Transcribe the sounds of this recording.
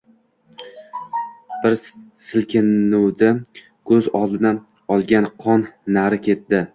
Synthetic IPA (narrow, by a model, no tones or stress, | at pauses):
b̥ɪɾsɪlkʲɪnːuwd̪a | kʰɵzɒlˠd̪ɪna | ɒlˠɡʲanqʰɒnːaɾɪkʲe̞t̪̚d̪ɪ